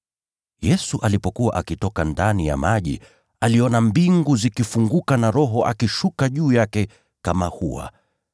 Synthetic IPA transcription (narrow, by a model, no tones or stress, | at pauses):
jɛsuʔalipɔkuwaʔakitɔkandanija̰maʄḭ | aliɔnambiŋɡuzikifuŋɡukanaɾɔɦɔʔa̰kiʃukaʄuːjakɛ | kamahuwa̰